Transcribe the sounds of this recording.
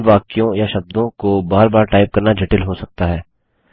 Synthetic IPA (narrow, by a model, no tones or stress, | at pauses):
ʋaːkijõjaʃɐb̚d̪õkobaːɾbaːɾʈaːɪp̚kɐɾnad͡ʒɪʈɪlɦosɐk̚t̪aɦɛː